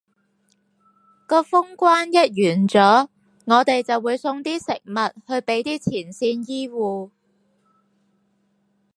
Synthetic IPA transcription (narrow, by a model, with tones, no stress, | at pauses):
kɔː˧fʊ˥ŋkʷaː˥njɐ˥t̚jyː˨˩nt͡sɔː˨˥ | ŋɔː˨˧t̪e˨jt͡sɐ˨wːuː˨˧jsʊ˧ŋt̪iː˥sɪ˨k̚mɐ˨t̚hɵ˧ɥpe˨˥jt̪iː˥t͡sʰiː˨˩nsiː˧njiː˥wuː˨